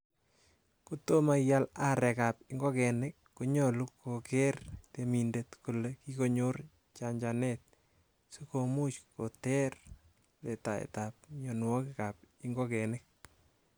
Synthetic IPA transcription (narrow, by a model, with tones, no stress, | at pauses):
ko˦to˦ma˨ja˦la˦ɾɛ˨ka˨p̚ɪŋɡɔ˦kɛ˨nekːoɲɔ˨lu˦kːo˨kɛrt̪e˨mi˨ndet̪ku˨leki˦ko˦ɲo˦r | t͡ʃa˨ɲd͡ʒanɛt̪̚ | su˦ko˨mu˦t͡ʃko˨tɛ˦r | le˨ta˨ḛ˨tap̚ɲɔ˨n˨ɔ˦kɪka˨pɪŋɡɔ˦kɛ˨nek̚